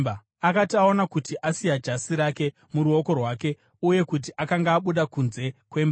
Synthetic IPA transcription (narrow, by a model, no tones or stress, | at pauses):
akatiao̞nakutiʔasijad͡ʒasiɾake̞ | muɾuo̞ko̞rwake̞ | uje̞kut̬iʔakaŋɡaːɓuɗakunze̞kwe̞mba